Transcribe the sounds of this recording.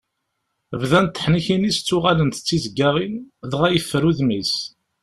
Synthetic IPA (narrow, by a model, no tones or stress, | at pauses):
vðænt̪ːə̥ħniçinist͡sːʊʁalənt̪t͡sːizəɡːaʁinðʁæjəfːɾuðmis